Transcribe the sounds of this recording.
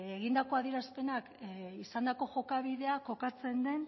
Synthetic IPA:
eɣind̪ako̞aðiɾaspe̞nakisand̪ako̞ʝo̞kaβiðe̞ako̞kat͡se̞nd̪e̞n

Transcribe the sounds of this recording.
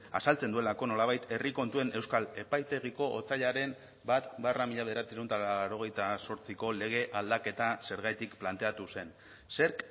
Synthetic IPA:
a̰salt͡send̪ue̞lako̞no̞laβ̞ajt̪e̞riko̞nt̪ue̞ne̞wskale̞pajt̪e̞ɣ̞iko̞ʔot͡saʎaɾe̞m | bat̪baramiʎaβ̞ðeɾat͡siɾewnt̪alaɾo̞ɣ̞e̞jt̪aso̞ɾt͡siko̞le̞ɣ̞e̞ʔald̪ake̞t̪ase̞ɾɣajt̪ikplant̪e̞at̪use̞n | se̞ɾk

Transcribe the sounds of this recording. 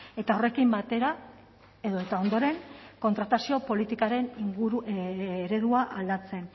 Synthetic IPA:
e̞t̪ao̞re̞kimbat̪e̞ɾa | e̞ðoet̪ao̞nd̪o̞ɾe̞ŋko̞nt̪ɾat̪asio̞po̞lit̪ikaɾe̞niŋɡuɾuːɾe̞ðuaʔald̪at͡se̞n

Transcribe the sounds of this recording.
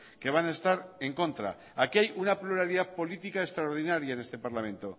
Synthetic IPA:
ke̞β̞anae̞st̪aɾeŋkõ̞nt̪ɾa̰ | akiajunapluɾaɾiðaðpo̞lit̪ikaest̪ɾaoɾð̞inaɾjaenest̪e̞paɾlamẽ̞nt̪o̞

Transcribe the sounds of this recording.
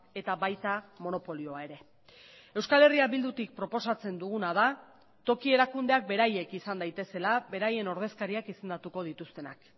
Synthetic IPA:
e̞t̪aβajt̪amo̞no̞po̞lio̞ae̞ɾe̞ | e̞wskale̞riaβild̪ut̪ik̚pɾo̞po̞sat͡se̞nd̪uɣunaða | t̪o̞kie̞ɾakund̪e̞ak̚be̞ɾaje̞kisand̪ajt̪e̞se̞labe̞ɾaje̞no̞ɾð̞e̞skaɾiakise̞nd̪at̪uko̞ð̞it̪ust̪e̞na̰k

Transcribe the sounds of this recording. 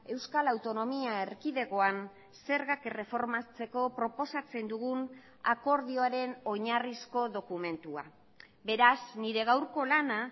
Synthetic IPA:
e̞wskalawt̪o̞no̞miaeɾkiðe̞ɣo̞an | se̞ɾɣakere̞fo̞ɾmat͡se̞ko̞pɾo̞po̞sat͡se̞nd̪uɣ̞un | a̰ko̞ɾð̞io̞aɾe̞no̞ɲarisko̞ðo̞kume̞nt̪ua̰ | be̞ɾasniɾe̞ɣ̞awɾko̞lana

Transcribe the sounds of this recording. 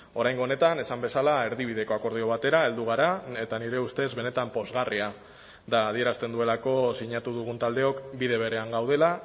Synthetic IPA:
o̞ɾajŋɡo̞ːne̞t̪ane̞sambe̞salae̞ɾðiβ̞iðe̞ko̞ako̞ɾð̞io̞β̞at̪e̞ɾae̞ld̪uɣ̞aɾae̞t̪aniɾe̞ust̪e̞zβe̞ne̞t̪ampo̞zɣaria | d̪aːð̞ie̞ɾast̪e̞nd̪ue̞lako̞siɲat̪uðuɣ̞unt̪ald̪e̞o̞kbiðe̞β̞e̞ɾe̞aŋɡawð̞e̞la

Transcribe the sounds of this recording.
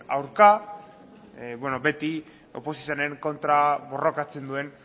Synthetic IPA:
a̰wɾka | bweno̞be̞t̪i | o̞̰po̞sis̬ianeɾeŋko̞nt̪ɾaβo̞ro̞kat͡se̞nd̪ue̞n

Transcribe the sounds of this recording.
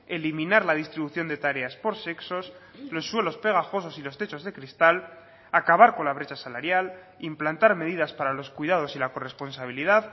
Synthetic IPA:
e̞limĩnaɾlaðist̪ɾiβuθjo̞nd̪e̞t̪aɾe̞aspo̞ɾse̞kso̞s | lo̞sːwe̞lo̞spe̞ɣ̞axo̞s̬o̞silo̞st̪e̞t͡ʃo̞zðe̞kɾist̪al | akaβaɾko̞nlaβ̞ɾe̞t͡ʃasalaɾjal | implant̪aɾme̞ðiðaspaɾalo̞skwuiðað̞o̞silako̞re̞spo̞nsaβ̞iliðað

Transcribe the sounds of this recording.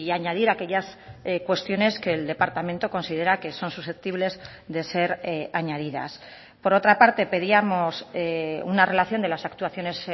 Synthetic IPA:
iaɲað̞iɾake̞ʎaskwe̞st̪jo̞ne̞ske̞ːld̪e̞paɾt̪amẽnt̪oko̞nsið̞e̞ɾake̞so̞nsusθe̞p̚t̪iβle̞z | ðe̞se̞ɾaɲaðiða̰s | po̞ɾo̞t̪ɾapaɾt̪e̞pe̞ðiamo̞seunare̞laθjo̞nd̪e̞lasakt̪uaθjo̞ne̞s

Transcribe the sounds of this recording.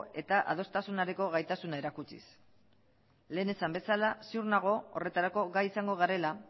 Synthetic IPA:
e̞t̪aʔa̰ð̞o̞st̪asunaɾeko̞ɣajt̪asunae̞ɾakut͡sḭs | le̞ːne̞sambe̞salasiuɾnaɣ̞o̞o̰re̞t̪aɾako̞ɣajisaŋɡo̞ɣ̞aɾe̞la

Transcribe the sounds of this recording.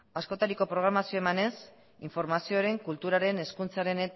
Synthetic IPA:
asko̞t̪aɾiko̞pɾo̞ɣɾamasio̞emane̞s | iɱfo̞ɾmasio̞ɾe̞ŋkult̪uɾaɾe̞ne̞skunt͡saɾe̞ne

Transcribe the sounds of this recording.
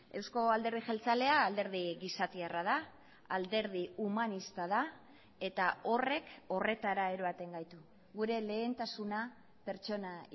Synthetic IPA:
e̞wsko̞ald̪e̞ɾðixelt͡sale̞aːld̪e̞ɾð̞iɣisat̪iarað̞a | ald̪e̞ɾð̞iumanist̪að̞a | e̞t̪ao̞re̞ko̞re̞t̪aɾae̞ɾo̞at̪e̞ŋɡajt̪u | ɣuɾe̞le̞ːnt̪asuna | pe̞ɾt͡ʃo̞na

